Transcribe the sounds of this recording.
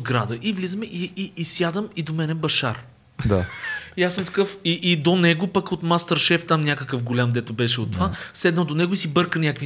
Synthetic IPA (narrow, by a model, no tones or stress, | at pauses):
ɡɾad̪əʔivlizəmɛʔiiisjad̪əmid̪omɛnɛbɐʃaɾ | d̪a̰ijasəmt̪ɐ̥kɤfiʔid̪onɛɡopɐkot̪mast̪əɾʃɛft̪ːamnʲakəkəfɡolʲamd̪ɛt̪obɛʃɛot̪ːovasɛd̪nəd̪onɛɡoisibɤɾkənʲakvi